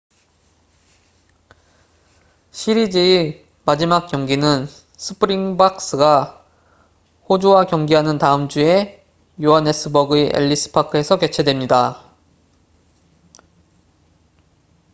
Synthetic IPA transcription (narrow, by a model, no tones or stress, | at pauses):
ɕʰiɾid͡ʑii | mad͡ʑimak̚k͈jʌŋɡinɯn | sʰɯ̥pʰɯɾiŋbak̚s͈ɯɡa | hod͡ʑuwakjʌŋɡiɦanɯntaɯmd͡ʑue̞ | juane̞s͈ʰɯbʌɡɯeʔḛʎːisʰɯ̥pʰakʰɯe̞sʰʌke̞t͡ɕʰe̞dwe̞mɲida